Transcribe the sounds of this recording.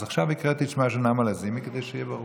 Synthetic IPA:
zaχʃavikʁet̪iʃmaʃonamalazimiked̪ejʃejɛbaʁu

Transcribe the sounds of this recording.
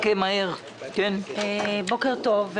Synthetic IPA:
kemaeʁ | kenebokeʁt̪ov

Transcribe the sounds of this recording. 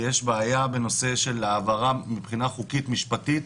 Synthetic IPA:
jeʃbeːjabe̞no̞se̞ʃe̞laːvaʁamipχinaχukit̪miʃpatit̪

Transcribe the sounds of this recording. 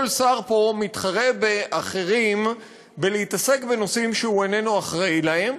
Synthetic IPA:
lsaʁpo̞mit̪χaʁe̞beʔaχe̞ʁim | beleitase̞kbe̞no̞simʃehue̞ne̞nuaχʁajlahe̞m

